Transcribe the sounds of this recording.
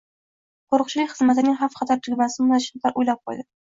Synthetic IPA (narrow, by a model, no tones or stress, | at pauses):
qʰoɾʊq̚t͡ʃɪlɪkʲχɨzmat̪ɪnɪŋʲɦafqʰɑt̪ʰaɾt̪ʰɪɡʲmasɪmʊnaʃɪnt̪ʰaɾʔojlap̚qʰɒ̰jd̪ɪ